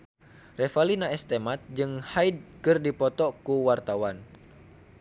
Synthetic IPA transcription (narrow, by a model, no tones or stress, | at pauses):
refalinaɛst̪emat̪̚d͡ʒɨŋhajd̚kɨrdipɔt̪ɔkuwart̪awan